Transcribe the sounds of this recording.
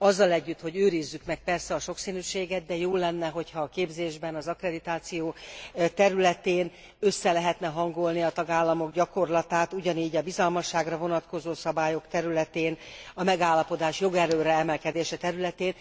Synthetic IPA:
ɒzːɒlɛɟːyt̪ho̞ɟøːɾizːykmɛk̚pɛrsɛɒʃo̞ksinyːʃeːɡɛd̪̚d̪ɛjoːlɛnːɛɦo̞chɒːkeːbzeːʒbɛnɒzɒkrɛd̪it̪aːt̪sijoːt̪ɛɾylɛt̪eːn | ø̞sːɛlɛɦɛt̪nɛɦɒŋɡo̞lniɒt̪ɒɡaːlːɒmo̞ɡɟɒko̞rlɒt̪aːt̪uɟɒniːɟɒbizɒlmɒʃːaːɡrɒvo̞nɒt̪ko̞zoːsɒbaːjo̞kt̪ɛɾylɛt̪eːnɒmɛɡaːlːɒpo̞d̪aːʃjo̞ɡɛɾøːɾɛɛmɛlkɛd̪eːʃɛt̪ɛɾylɛt̪eːn

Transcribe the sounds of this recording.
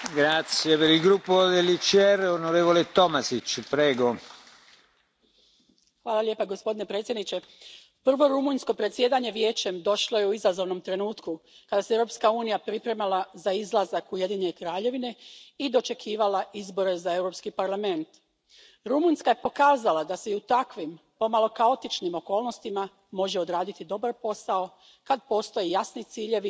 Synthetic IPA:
ɡɾat̪sjepeɾilɡɾupːod̪elːit͡ʃiɛrːeonoɾeːʋolet̪omasit͡ʃpɾɛːɡo | xʋaːlalʎje̞ːpaɡo̞spo̞d̪ine̞pɾet̪sjed̪nit͡ɕe̞ | pr̩ʋo̞ɾumuɲsko̞pɾet̪sje̞d̪aɲe̞ʋje̞ːt͡ɕe̞md̪o̞ʃlˠo̞je̞uizazo̞ʋno̞mt̪ɾe̞nuːt̪ku | kad̪aseewɾo̞pskauːnijapɾipɾe̞malazaizlˠazakuje̞d̪iɲenekɾaːʎe̞ʋine̞id̪o̞t͡ʃe̞kʰiːʋalaʔizbo̞ɾe̞zae̞wɾo̞pskipaɾlame̞nt̪ | ɾumunskaje̞po̞kaːzalad̪aseut̪akʋim | po̞malˠo̞kao̞t̪it͡ʃnimo̞ko̞ːlˠno̞st̪ima | mo̞ʒe̞o̞d̪ɾaːd̪it̪id̪o̞baɾpo̞sao̞ | kad̪po̞ːst̪o̞jejasnit̪siːʎe̞ʋi

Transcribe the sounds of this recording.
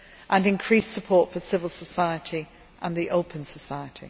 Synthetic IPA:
ʔə̃nɪ̃nkʰɹ̥iˑsəpʰɔˑtfəsɪvəlˠsəsaɪətʰi | ʔə̃nðiʔoʊpʰə̃nsəsaɪətʰḭ

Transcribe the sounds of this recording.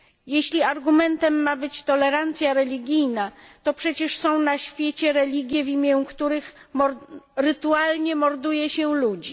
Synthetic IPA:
jeɕlʲiaɾɡumɛnt̪ɛmːabɘt͡ɕt̪ɔlɛɾant̪sʲjaɾɛlʲiɡʲijnat̪ɔpʂɛt͡ɕɛʂsɔ̃w̃naɕfʲjet͡ɕɛɾɛlʲiɡʲjɛvʲimʲjeɲũkt̪uɾɘxmɔɾɾɘt̪ualɲɛmɔɾd̪ujɛɕɛlud͡ʑi

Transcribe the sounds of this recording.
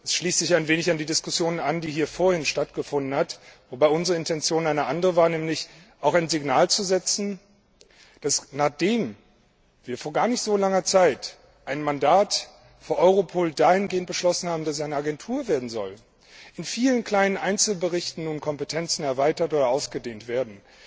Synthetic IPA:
ɛsʃliːstz̥ɪçaɪnveːnɪçandiːdɪskʊsjoːnənandiːhiːɐfoːɐhɪnʃtatɡ̥əfʊndn̩hatvobaɪʊnzəʁəɪntʰɛnt͡sjoːnaɪnəʔandəʁəvaːɐnɛːmlɪç | ʔaʊxaɪnzɪɡnaːlt͡suzɛt͡sn̩ | d̥asnaːχd̥eːm | viːɐfoːɐɡaːɐnɪçtz̥oːlaŋɐt͡saɪt | ʔaɪnmandaːt | foːɐʔɔʏʁ̞opʰoːldaːhɪnɡeːənt̚b̥əʃlɔsn̩haːbm̩das̬ʔaɪnəaɡɛntʰuːɐveːɐdn̩zɔ̰l | ʔɪnfiːlənkʰl̥aɪnənʔaɪnt͡sl̩bəʁɪçtn̩nuːnkʰɔmpətʰɛnt͡sn̩ɛɐvaɪtɐtʔoːɾɐʔaʊsɡ̥ədeːntv̥eːɐdn̩

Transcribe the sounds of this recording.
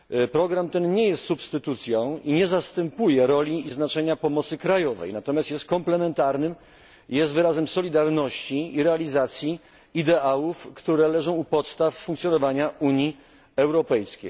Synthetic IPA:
pɾɔɡɾamt̪ɛnɲɛjɛst̪supst̪ɘt̪ut̪sʲjɔ̃w̃iɲɛzast̪ɛmpujɛɾɔlʲiiznat͡ʂɛɲapɔmɔt̪sɘkɾajɔvɛ̰jnat̪ɔmʲjast̪jɛst̪̚kɔmplɛmɛnt̪aɾnɘm | jɛst̪vɘɾazɛmsɔlʲid̪aɾnɔɕt͡ɕiːɾɛalʲizat̪sʲji | id̪ɛʔawufkt̪uɾɛlɛʐɔ̃w̃upɔt̪st̪afːuŋkt̪sʲjɔnɔvaɲaʔuɲi | ɛwɾɔpɛjskʲej

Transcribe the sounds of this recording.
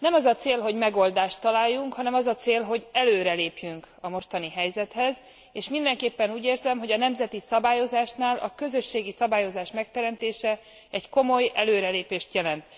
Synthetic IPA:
nɛmɒzɒt̪seːlɦo̞ɟmɛɡo̞ld̪aːʃt̪ːɒlaːjːuŋkhɒnɛmɒzɒt̪seːlɦo̞ɟɛløːɾɛleːpjyŋkɒmo̞ʃt̪ɒniɦɛjzɛt̪hɛz | eːʃmind̪ɛŋkeːpːɛnuːɟeːrzɛmɦo̞ɟɒnɛmzɛt̪isɒbaːjo̞zaːʃnaːlɒ̰kø̞zø̞ʃːeːɡisɒbaːjo̞zaːʃmɛk̚t̪ɛɾɛmt̪eːʃɛ | ɛɟko̞mo̞jɛløːɾɛleːpeːʃt̪jɛlɛnt̪

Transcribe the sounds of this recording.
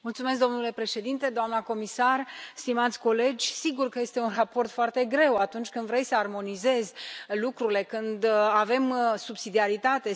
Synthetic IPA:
mult̪sumesk̚d̪o̞mnule̞pɾe̞ʃe̞d̪int̪e̞d̪oamnəko̞misarst̪imat̪sʲko̞le̞d͡ʒʲsiɡurkəje̞st̪e̞unrapo̞rt̪foart̪e̞ɡɾe̞wat̪unt͡ʃʲkɨnd̪vɾe̞jsəarmo̞nize̞zʲlukɾuɾile̞kɨnd̪ave̞msubsid̪iaɾit̪at̪e̞

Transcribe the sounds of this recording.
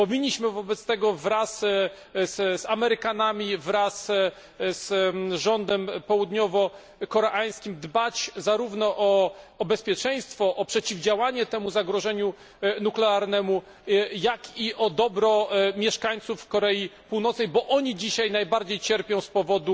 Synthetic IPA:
pɔvʲiɲːiɕmɘvɔbɛt̪st̪ɛɡɔvɾas | zz̥amɛɾɘkanamʲivɾas | sʐɔnd̪ɛmpɔwud̪ɲɔvɔ | kɔɾɛʔaj̃skʲimd̪bat͡ɕzaɾuvnɔʔɔːbɛspʲjɛt͡ʂɛj̃st̪fɔʔɔpʂɛt͡ɕivd͡ʑawaɲɛt̪ɛmuzaɡɾɔʐɛɲu | nuklɛaɾnɛmu | jakiʔɔd̪ɔbɾɔmʲjɛʂkaɲt̪sufkɔɾɛipuwnɔt̪snɛjbɔʔɔɲid͡ʑiɕajnajbaɾd͡ʑejt͡ɕɛɾpʲjɔ̃w̃spɔvɔd̪u

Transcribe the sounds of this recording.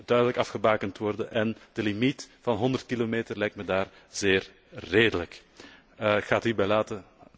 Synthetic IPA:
dœɥdələkɑfxəbaːkəntʋɔrdənʔɛnd̥əlimitvɑnɦɔndərt̚kilomeːtərlɛjktmədaːr | z̥eːrː | eːdələk | xaːtɦiːrbɛjlaːtə

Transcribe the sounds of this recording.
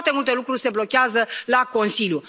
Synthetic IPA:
rt̪e̞mult̪e̞lukɾurʲse̞blo̞kʲeazəlako̞nsilʲju

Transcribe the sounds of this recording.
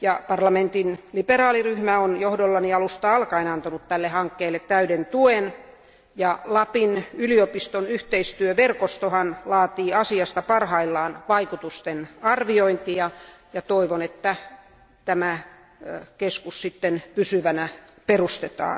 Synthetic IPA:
jɑpɑrlɑment̪inliperɑːliryhmæonjohdolːɑniɑlust̪ɑɑlkɑinɑnt̪onut̪t̪ælːehɑŋkːeːlːet̪t̪æydent̪uen | jɑlɑpinyliopist̪onyht̪eist̪yøʋerkost̪ohɑnlɑːt̪iːɑsiɑst̪ɑpɑrhɑilːɑːnʋɑikut̪ust̪enɑrʋioint̪ijɑ | jɑt̪oiʋonet̪ːæ | t̪æmæ | keskussit̪ːenpysyʋænæperust̪et̪ɑ̰ːn

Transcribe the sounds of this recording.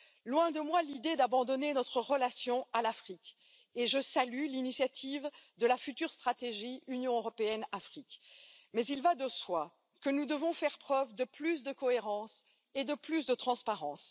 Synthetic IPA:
lwɛ̃d̪əmwalid̪ed̪abɑ̃d̪ɔnenɔt̪χəʁəlasjɔ̃alafχik | eʒəsalylinisjat̪ivd̪əlafyt̪yʁst̪χat̪eʒiynjɔ̃øʁɔpeɛnafχikmɛzilvad̪əswa | kənud̪əvɔ̃fɛʁpχœvd̪əplys̬d̪əkɔeʁɑ̃s | ed̪əplysd̪ət̪χɑ̃spaʁɑ̃s

